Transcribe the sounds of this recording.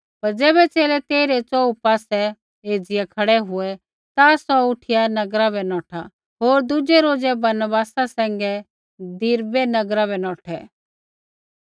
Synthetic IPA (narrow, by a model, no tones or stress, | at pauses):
pɐɾd͡zɛːbɛt͡seːlɛt̪eːɾɛt͡sɔːupaːsɛ | eːd͡zɪjakʰɐɽɛɦʊɛ | t̪asɔʊʈʰɪjanɐɡɾabɛnɔːʈʰa | ɦoːɾd̪ʊd͡ʒɛɾoːd͡zɛbɐɾnbaːsasɛ̃ːŋ̆ɡɛ | d̪iɾbɛnɐɡɾabɛnɔːʈʰɛ